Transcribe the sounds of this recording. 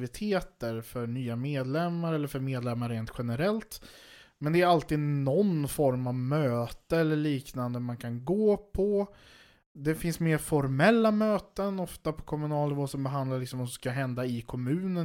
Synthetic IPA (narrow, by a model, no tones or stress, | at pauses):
vɪt̪ʰeːt̪əɾfœɾɳyːameːd̪lɛmːaɾɛlːəɾfœɾmeːd̪lɛmːaɾːeːnt̪ɧɛnəɾɛlt̪ | mɛnd̪ɛæɾalt̪iːd̪nɔnfɔɾmavmøːt̪əɛlːəɭiːknand̪əmankʰanɡoːpʰɔ | d̪ɛfɪnsmeːɾfɔɾmɛlːamøːt̪ənɔft̪apʰɔ̥kʰɔmɵnɑːlnɪvoːsɔmbɛɦand̪laɾɭɪksɔmɔsɔskaɦɛnd̪aɪkʰɔmʉ̟ːnə